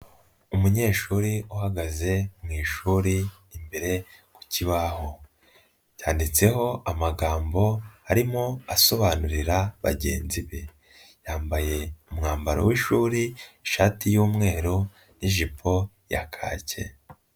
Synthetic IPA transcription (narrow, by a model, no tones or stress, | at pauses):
umuɲe̞ːʃuɾiuhaɡaze̞mŋiːʃuːɾiː | mbe̞ɾe̞ku̥ciβaho̞ | jaːndit͡se̞ho̞amaɡaːmbo̞aɾimo̞aso̞βanuɾiɾaβa̰ɟe̞̰ːnziβe | jaːmbaje̞umŋaːmbaɾo̰wiʃuːɾiiʃaːtijuːmŋe̞ːɾo | niʒipʰo̞ | ja̰kʰa̰ːce̞̰